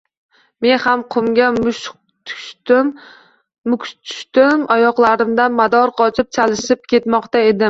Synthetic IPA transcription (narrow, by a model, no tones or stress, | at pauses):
me̞nhamqʰʊmɡʲaʊʃ | t̪ʰʊ̥ʃm | mʊkʰt̪ʰʊ̥ʃt̪ɪmajɒqlˠaɾɪmd̪anmad̪ɒɾqʰɒt͡ʃʰɪp̚t͡ʃʰalɪʃɪp̚kʲʰe̞t̪mɒqt̪ae̞d̪ɪm